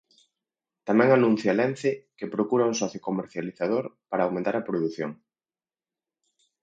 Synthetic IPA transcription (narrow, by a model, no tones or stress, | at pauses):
t̪amɛ̃ŋanũn̟θjalɛn̟θɪkepɾokuɾɐuŋsɔθjokomeɾθjaliθað̞oɾpaɾaːwmẽnt̪aɾɐpɾoðuθjo̰ŋ